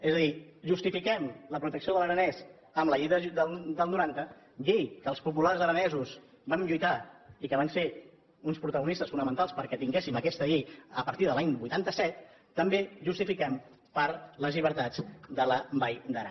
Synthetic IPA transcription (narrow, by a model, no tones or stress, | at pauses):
ezəðiʒust̪ifikɛmləpɾut̪əksioðələɾənɛz | əmləʎejðəd̪əld̪əlˠnuɾant̪ə | ʎejkəːlˠspupularzəɾənɛzus | banʎujt̪aikəβ̞anse | unspɾut̪əɣunist̪əsfunəmənt̪alˠspəɾkɛt̪iŋɡesiməkɛst̪əʎejəpəɾt̪iðəlaɲbujt̪ant̪əsɛt̪ː | əmbeʒust̪ifikɛm | pəɾləzʎiβ̞əɾt̪ad͡zd̪ələbajd̪əɾa̰